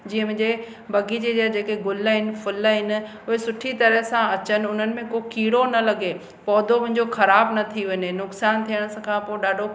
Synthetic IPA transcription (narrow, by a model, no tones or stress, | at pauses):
d͡ʑiːə̃mɪ̃d͡ʑe | bɐɡid͡ʑed͡ʑɐd͡ʑeːkeɡʊlɦɪnɪ̆fʊlɦɪnɪ̆ | ʊɦesʊʈʰit̪ɐɾəɦsãɐt͡ɕənɪ̆ʊn̤ənɪ̆mẽkokiːɽonɐlɐɡe | pɔːd̪ʱomʊ̃ɦɪɲ̆d͡ʑoxɐɾaːbnɐt̪ʰiʋɐɲenʊksaːnt̪ʰijəɽ̃skʰãːpoːɪɗaːɖʱo